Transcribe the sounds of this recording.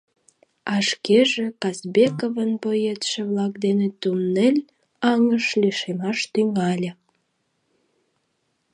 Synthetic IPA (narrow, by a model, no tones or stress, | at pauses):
ɑʃkeʒĕkɑzbekoβənpojet̪ʃĕβlɑk̚d̪enet̪umnelʲ | ɑŋəʃliʃemɑʃt̪yŋɑlʲə̆